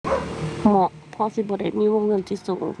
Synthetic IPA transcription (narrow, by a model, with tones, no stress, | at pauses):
mɔ˧˦ʔ | pʰɔ˧si˧˦bɔː˧˦da˥˩jmiː˧˥˨wo˧˥˨ŋːɤ˧˥˨nt̪ʰi˧˨so˨˩˦ŋ